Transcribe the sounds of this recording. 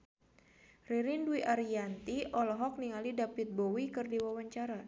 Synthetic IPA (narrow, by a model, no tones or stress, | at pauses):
riɾindwiʔaɾiant̪iʔɔlɔɦɔk̚niŋalidapit̪̚bɔwikɨrdiwawaɲt͡ʃaɾa